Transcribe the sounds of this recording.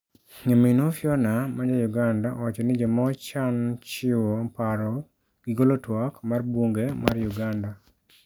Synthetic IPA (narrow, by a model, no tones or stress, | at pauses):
ɲaminofjɔnamad͡ʒajuɡandaʔɔwat͡ʃɔnɪd͡ʒɔmɔt͡ʃant͡ʃɪwopaɾɔ | ɡ̥ɪɡolotwakmarbwoŋɡema̰rjuɡanda